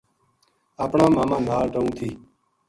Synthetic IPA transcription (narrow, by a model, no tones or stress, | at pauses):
aːpɳãːmaːmãːn̤aːɾʈəũːt̪ʰiː